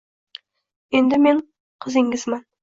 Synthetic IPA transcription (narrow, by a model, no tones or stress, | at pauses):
e̞nd̪ɪme̞ɴ | qʰɨzɪŋɡʲɪzmɑn